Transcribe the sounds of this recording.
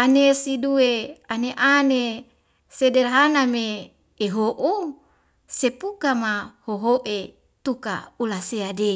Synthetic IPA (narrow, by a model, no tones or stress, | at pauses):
anesidueaneʔane | sederɦanameː | ɦoʔu | sepukamahoɦoʔe | t̪uka̰ulaseade